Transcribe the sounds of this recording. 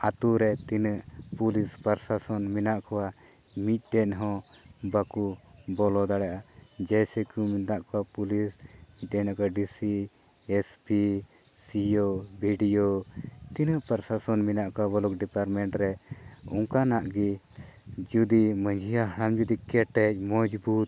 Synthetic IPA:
at̪uɾɛt̪inəʔpulispəɾsasɔnminaʔkɔwa | mit̪̚ɖɛnɦɔ̃ | bakubɔlɔd̪aɽaʔad͡ʒɛjsɛkumit̪aʔkɔwapulismit̪̚ɖɛaʔkaɖisi | espi | siobiɖiot̪inəʔpəɾsasɔnminaʔkɔwabɔlɔk̚ɖipaɾmɛɳʈɾɛɔ̰ŋkanaʔɡi | d͡ʒud̪iməɲd͡ʒʱijaɦɽ̃amd͡ʒud̪ikɛʈɛc̚mɔd͡ʒbut̪̚

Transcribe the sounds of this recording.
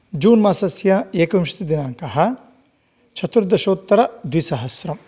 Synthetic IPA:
d͡ʒuːnmaːsɐsjɐeːkɐʋimʃi̥t̪id̪inaːŋkɐɦɐ̆ | t͡ʃʰɐt̪ɾɐd̪ɐʃoːt̪ːɐɾɐd̪ʋisɐɦɐsɾɐm

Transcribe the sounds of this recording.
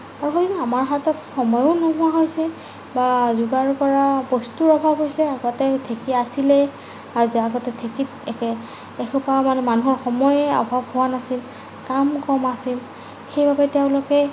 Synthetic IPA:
aɹuxodinɔamaɹɦatɔtxɔmɔjɔnɔɦʊ̃waɦojsɛ | bazuɡaɹpɔɹabɔstuɹɔbʱabɦojsɛaɡɔtɛtʰekiasilɛ | aɹziaɡɔtɛtʰekitɛkɛ | ɛxupamanɛmanuɦɔɹxɔmɔjɛɔ̰bʱabhʊwanasil | kamkɔmasil | xejbabɛtɛʊ̃lɔkɛ

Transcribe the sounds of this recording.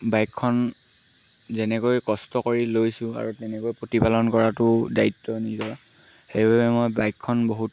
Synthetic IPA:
bajkʰːɔn | zɛnɛkojkɔstɔkoɹilojsʊ̃a̰ɹutɛnɛkojpɹotipalɔnkɔɹatʊdaitːɔnizɔ | xejbabɛmɔjbajkʰːɔnboɦut

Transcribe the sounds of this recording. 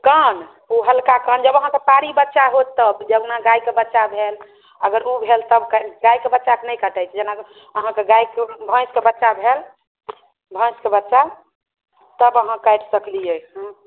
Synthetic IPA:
kən | uɦəlkakənd͡ʒəbəɦãkepaɾibətːʃaɦot̪ːəbd͡ʒebnaɡajkebətːʃabʱel | əɡəɾubʱelt̪əbkɡajkebətːʃakenəjkəʈəjt͡ʃʰɛd͡ʒena | əɦãkeɡajkebʱə̃skebətːʃabʱel | bʱə̃skebətːʃa | t̪əbəɦãkajʈʰsəklijɛɦũ

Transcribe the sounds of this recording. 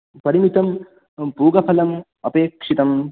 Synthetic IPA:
pɐɾimit̪ɐm | puːɡɐpʰɐlɐm | ɐpeːkʂit̪ɐm

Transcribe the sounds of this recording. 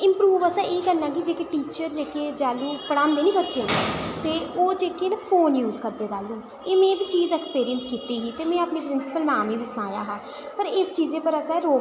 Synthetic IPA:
ɪmpɾuːʋəsãːʔeːkəɾnãːkɪd͡ʒeːkeːʈiːt͡ʃəɾd͡ʒeːkeːd͡ʒaːluːpəɽ̃ãːnd̪eːnĩːbət͡ʃet̪eːoːd͡ʒeːkeːnãpʰoːnjuːzkəɾd̪eːd̪aːlũː | eːmɛ̃ːbiːt͡ʃiːzɛkspiːɾijənskiːt̪iːɦiːt̪eːmɛ̃ːapniːpɾɪnsɪ̥pəlnaːmĩːbiːsʊnaːja̰ːɦãː | pəɾɪst͡ʃiːzeːpəɾəsãɾoː

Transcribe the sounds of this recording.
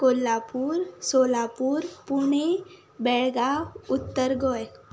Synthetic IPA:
koːlːapuːɾsoːlaːpuɾpuɳ̃e | bɛɭɡaʊt̪ːəɾɡɔːe

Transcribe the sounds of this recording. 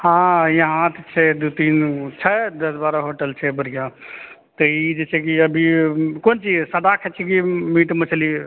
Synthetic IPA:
hãjəɦãt̪et͡ʃʰɛd̪ut̪int͡ʃʰəd̪əsbaɾəɦoʈəlt͡ʃʰɛbəɾijã | t̪əid͡ʒet͡ʃʰɛkiəbʱikont͡ʃid͡ʒsəd̪akʰɛt͡ʃʰɛkimiʈmet͡ʃʰəli

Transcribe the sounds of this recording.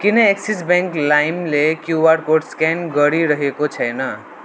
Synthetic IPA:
kinʌeksisbẽŋklajmlekjubaɾkoɖskenɡʌɽiɾʌɦekot͡ʃʰʌjnə

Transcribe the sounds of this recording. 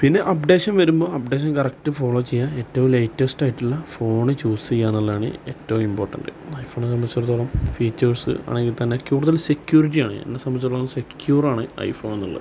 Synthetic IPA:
pinːe̞ʔɐpɖe̞ːɕɐnʋɐɾumbo̞ːɐp̚ɖe̞ːɕ̬ɐnkɐrɐk̚tɨfo̞ːɭo̞ːt͡ɕejːae̞tːɐʋumlejtːesʈaːjiʈːilːɐfo̞ːɳɨt͡ɕuːsejːaːnːɐlːɐaːɳɨ̰e̞tːɐʋumimboːrʈːɐnɖɨ̰ɐjfʰo̞ːns̬ɐmbɐt͡ɕːɐrt̪oːɭɐmfiːt͡ɕːɐrsɨ̰ɐ̰ːɳeŋɡilt̪ɐnːekʲjuːruðɐlsekjuːriʈ̬ːijaːɳɨḛnːesɐmbɐt͡ɕːɐlːoːnsekjuːraːɳɨɐ̰jfo̞ːnnːɐ̰lːɐ̰

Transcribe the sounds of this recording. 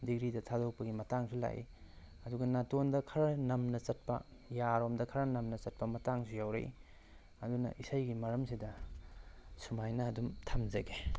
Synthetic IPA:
diɡɾidɐtʰadok̚pɐɡimɐtaŋsula̰jḭ | ɐduɡɐnatondɐkʰɐɾɐnɐmnɐt͡ʃɐt̚pɐ̰ | jaɾomdɐkʰɐɾɐnɐmnɐt͡ʃɐt̚pɐmɐtaŋsujawɾḛj̰ | ɐdunɐ̰ʔisajɡimɐɾɐmsidɐ | sumajnɐːdumtʰɐmzɐɡe

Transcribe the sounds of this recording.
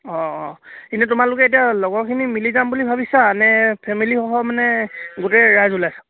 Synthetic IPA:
ɔ̃kinutʊmalʊk̬ɛtijalɔɡɔɹkʰinimilizambulibʱabisanɛpʰɛmilixɔɦɔmanɛɡotɛɹajzulajsḁ

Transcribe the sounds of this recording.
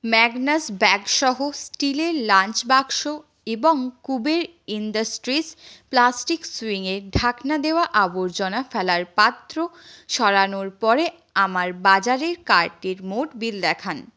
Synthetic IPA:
mɛɡnasbɛɡʃɔɦosʈileɾlant͡ɕbaɡʃo | eboŋkubeɾ | indasʈɾisplasʈiksiŋeɾɖʱaknad̪eoaʔaboɾd͡ʑɔnafɛlaɾpat̪ːɾoʃɔɾanoɾpɔɾe | amaɾbad͡ʑaɾeɾkaɾʈeɾmoʈbild̪ɛkʰan

